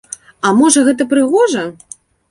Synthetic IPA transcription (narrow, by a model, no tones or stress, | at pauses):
ɐmɔʐɐɣɛt̪̬ɐpɾɨɣɔʐɐ